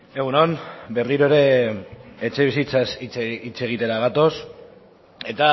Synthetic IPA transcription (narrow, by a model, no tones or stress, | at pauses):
e̞ɣ̞unonbe̞rðiɾoeɾe̞ | et͡ʃe̞βisit͡sasit͡sit͡se̞ɣ̞it̪e̞ɾaɣat̪o̞s | e̞t̪a